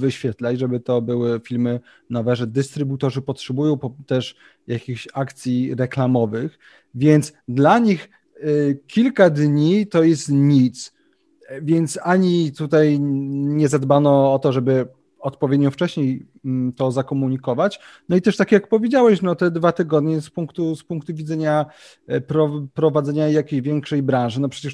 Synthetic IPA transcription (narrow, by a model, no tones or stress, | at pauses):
vɘɕfʲjɛt̪lat͡ɕʐɛbɘt̪ɔbɘwɘfʲilmɘ | nɔvɛʐɛd̪ɘst̪ɾɘbut̪ɔʐɘpɔtʂɛbujɔ̃w̃pɔt̪ɛʂ | jakʲiɕakt̪sʲjiɾɛklamɔvɘx | vʲjɛnt̪sd̪laɲix | kʲilkad̪ɲit̪ɔjɛst̪ɲit̪s | vʲjɛnt̪saɲit̪ut̪ajɲɛzad̪banɔɔt̪ɔʐɛbɘ | ɔt̪pɔvʲɛd̪ɲɔft͡ʂɛɕɲej | t̪ɔzakɔmuɲikɔvat͡ɕnɔit̪ɛʂt̪akʲjakpɔvʲjed͡ʑawɛɕnɔt̪ɛd̪vat̪ɘɡɔd̪ɲɛspuŋkt̪uspuŋkt̪uvʲid̪zɛɲa | pɾɔpɾɔvad̪zɛɲajakʲejʑvʲjɛŋkʂɛjbɾãnʐɘnɔpʂɛt͡ɕɛʂ